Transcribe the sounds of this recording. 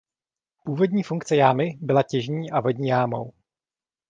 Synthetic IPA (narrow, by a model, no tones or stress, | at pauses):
puːvo̞dɲiːfuŋkt͡sɛjaːmɪbɪlacɛʒɲiːʔavo̞ɟɲiːjaːmo̰w